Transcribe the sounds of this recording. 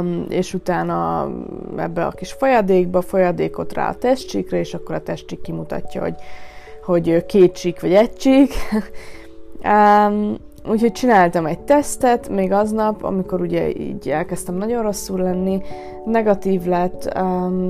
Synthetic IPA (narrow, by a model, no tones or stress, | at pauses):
ḛːʃut̪aːnɒ̰ | ɛ̰bːɛɒ̰kiʃfojɒd̪eːɡ̚bɒfo̞jɒd̪eːko̞t̪ra̰ːɒ̰t̪ɛʃt͡ʃikrɛeːʃɒkːo̞ɾɒt̪ɛʃt͡ʃikːimut̪ɒ̰tːɒ̰ho̰ɟho̞ɟøkeːt̪t͡ʃikʋɒɟɛct͡ʃik | øm | uːchoc̚t͡ʃinaːlt̪ɒmɛɟ̚t̪ɛst̪ɛt̪meːɡɒznɒpɒ̰miko̞ɾuɟɛ̰ḭːɟɛlkɛst̪ɛmnɒɟo̞nro̞sːurlɛnːi | nɛɡɒt̪iːvlɛt̪ːø